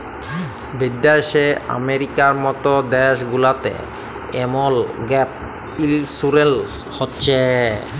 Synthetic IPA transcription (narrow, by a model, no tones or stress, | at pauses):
bid̪ːaeʃea̰meɾikaɾmɔt̪od̪ɛʃɡulat̪ḛ | emolɡɛp̚ | ilsuɾelhotːɕʰe